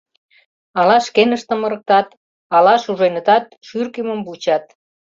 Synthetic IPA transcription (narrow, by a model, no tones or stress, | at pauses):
ɑlɑʃkenəʃt̪əmə̆ɾə̆k̚t̪ɑt̪ | ɑlɑʃuʒenə̆t̪ɑt̪̚ʃyrkiməmbut͡ɕɑt̪̚